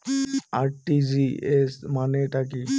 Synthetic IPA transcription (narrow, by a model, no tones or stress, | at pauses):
aɾʈiziesmaneʈak̬i